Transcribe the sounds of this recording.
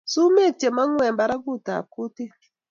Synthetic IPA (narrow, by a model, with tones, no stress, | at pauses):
su˦me˦˨t͡ʃe˨ma˦ŋʷ˦e˨m̩˨ba˨ɾa˦ɡu˦˨ta̰˨ku˦te˦